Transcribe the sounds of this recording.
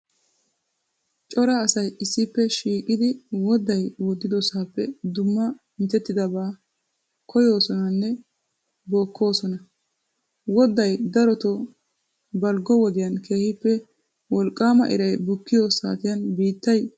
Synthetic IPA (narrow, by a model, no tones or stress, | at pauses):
t͡ʃʼɔɾɐːsɐjɪsːɪpːɛʃiːkʼɪd̪ɪwɔd̪ɐjwɔd̪ːɪd̪ɔsaːpːɛd̪ʊmːɐ | ɪnt̪ɛt̪ːɪd̪ɐbaː | kʰɔjo̞ːsɔnɐnːɛ | bo̞ːkːo̞ːsɔnɐ | wɔd̪ɐjd̪ɐɾɔt̪ɔ | bɐlɡɔwɔd̪ɪjɐnkʰeːhɪpːɛ | wɔlkʼːaːmɐ̰ʔɪ̰ɾɐjbʊkːɪjoːsa̰ːt̪ɪjɐnbiːt̪ːɐj